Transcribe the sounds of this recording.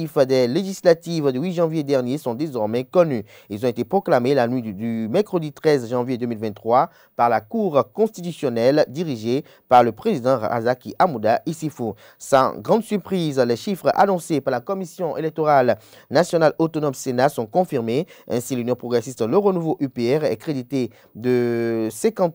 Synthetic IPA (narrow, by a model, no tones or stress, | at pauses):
ifd̪ɛleʒislat̪ivd̪ywiʒɑ̃vjed̪ɛʁnjesɔ̃d̪ezɔʁmɛkɔny | ilzɔ̃et̪epχoklamelanɥid̪ymɛʁkχəd̪it̪χɛzʒɑ̃vjed̪ømilvɛ̃nt̪ːχwa | paʁlakuʁkɔ̃st̪it̪ysjɔnɛld̪iʁiʒe | paʁləpχezid̪ɑ̃ʁa̰zakiʔamud̪aisifo | sɑ̰̃ɡʁɑ̃d̪syʁpχizlɛʃifχa̰nɔ̃sepaʁlakɔmisjɔ̃ʔelɛk̚t̪oʁal | nasjɔnalot̪ɔnɔmsenasɔ̃kɔ̃fiʁmeɛ̰̃silynjɔ̃pχɔɡʁesist̪ləʁonuvoʔypeɛʁɛ̰kχed̪it̪e | d̪əsɛ̃kɑ̃t̪